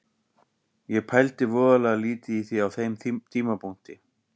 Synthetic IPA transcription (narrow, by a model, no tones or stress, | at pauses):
jɛpʰajlt̪ɪvɔːðalɛɣaliːt̪ɪiθiawθejmt̪ʰiːmapun̥t̪ɪ